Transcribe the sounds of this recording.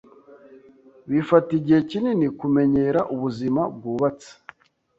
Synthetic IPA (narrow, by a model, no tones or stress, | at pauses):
βifatiɟihecininikume̞ɲeɾaʔuβuzimab̚ɡuːβat͡sḁ